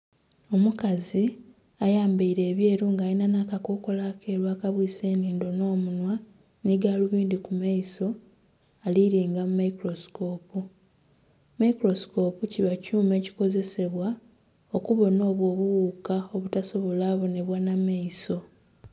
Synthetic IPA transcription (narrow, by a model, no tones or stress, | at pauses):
o̞mukazi | ajaːmbaiɾe̞ːβjeːɾuːŋɡajinanaːkako̞ːko̞lakʰe̞ːɾwaːkaβwiːse̞ːniːndo̞no̞ːmunwa | niɡaːluβiːndikumaiso̞ | aliɾiːŋɡamumaikɾo̞si̥ko̞ːpu | maikɾo̞sko̞ːpuciβacuːme̞ːci̥ko̞ze̞se̞βwa | o̞kuβo̞no̞ːβwo̞ːβuwuːkao̞βutaso̞βo̞laːβo̞ne̞βwanamaiso̞